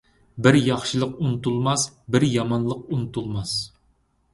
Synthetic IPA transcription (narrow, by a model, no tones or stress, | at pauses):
bɪɾjɑχʃɨlˠəqunɨt̪ulˠmɑsbɪɾjɑmɑnlˠəq̚unɨt̪ʰulˠmɑs